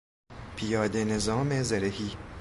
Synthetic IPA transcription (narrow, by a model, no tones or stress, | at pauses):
pʰijɒːd̪enezɒːmezeɾehiː